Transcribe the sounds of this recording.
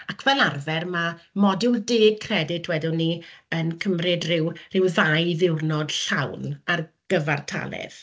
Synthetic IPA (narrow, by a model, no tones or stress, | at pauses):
akʰvɛlˠarvɛrmamɔdɪdeːd̚kʰrɛdɪtʰwɛdɪnːiənkʰəmrɪdrɪwrɪwðajðɪwrnɔd̥ɬawnarɡ̥əvartʰa̰lˠɛ̰ð̥